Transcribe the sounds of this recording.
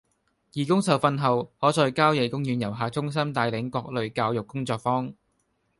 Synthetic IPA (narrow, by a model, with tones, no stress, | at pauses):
jiː˨˩kʊ˥ŋsɐ˨wfɐ˧nɦɐ˨˩whɔː˨˥t͡sɔː˧jkaː˥wjɛ˨˧jkʊ˥ŋjyː˨˧njɐ˨˩wɦaː˨t͡sʊ˥ŋs̬ɐ˥mt̪aː˨jlɪ˨˥ŋkɔː˧k̚lɵ˨ɥkaː˧wjʊ˨kːʊ˥ŋt͡sɔː˧k̚fɔː˥ŋ